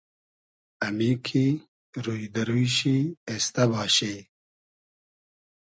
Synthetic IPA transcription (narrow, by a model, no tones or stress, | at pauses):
ɐmikʰi | ɾuid̪ɐɾujɕiest̪ɐbaːɕeː